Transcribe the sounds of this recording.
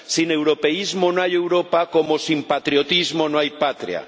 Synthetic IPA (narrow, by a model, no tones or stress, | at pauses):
sinewɾopeizmonoajewɾopakomosimpat̪ɾijot̪izmonoajpat̪ɾḭa̰